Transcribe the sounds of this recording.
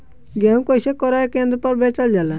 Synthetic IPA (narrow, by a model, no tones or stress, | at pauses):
ɡɛũkoisekɔɾaekẽnd̪ɾpɔɾbɛt͡ʃɔld͡ʒala